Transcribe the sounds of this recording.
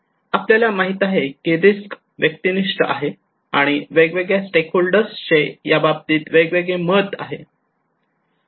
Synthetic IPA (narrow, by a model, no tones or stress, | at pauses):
apljaljamaɦit̪aɦekiɾisk | ʋjək̚t̪iniʂʈəa̰ɦe | aɽ̃iʋeɡʋeɡɭjasʈekʰɦolɖəɾsɕejabab̚t̪iːt̪ʋeɡʋeɡɭeməd̪a̰ɦe